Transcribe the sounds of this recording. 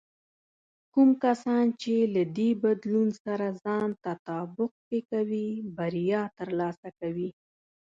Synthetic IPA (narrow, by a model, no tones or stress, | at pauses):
kumkasɑnt͡ʃelad̪ebad̪lunsaɾazɑnt̪at̪ɑbʊq̚t̪ekawibaɾjɑt̪əɾlɑsakawi